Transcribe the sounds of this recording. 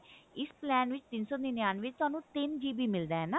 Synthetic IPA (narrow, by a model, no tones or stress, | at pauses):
ɪsplɛːnʋɪt͡ʃt̪ɪnsɔːninjaːnʋɪt͡ʃt̪ʊwaːnũːt̪ɪnd͡ʒiːbʱiːmɪld̪aːɦɛːnaː